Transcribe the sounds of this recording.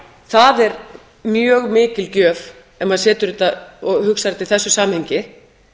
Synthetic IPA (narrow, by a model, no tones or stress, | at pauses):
θaðɛɾ | mjœːɣmɪːcɪlcœːv | ɛnmaðsɛːt̪ʏɾɪt̪aɔɣhʏksaɾt̪ɪlθɛsːʏsaːmhɛɲcɪ